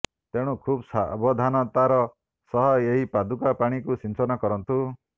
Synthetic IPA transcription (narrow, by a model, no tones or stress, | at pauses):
t̪ẽukʰubsa̰bɔd̪ʱanɔt̪aɾɔ | sɔɦɔeɦipad̪ukapaɽ̃ikusinsɔnɔkɔɾɔnt̪u